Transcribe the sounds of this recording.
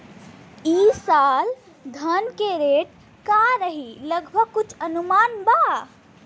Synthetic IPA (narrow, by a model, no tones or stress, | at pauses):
isal | d̪ʱənkeɾeʈ | kaɾəɦiləɡbʱəɡ̚kut͡ʃʰənumanba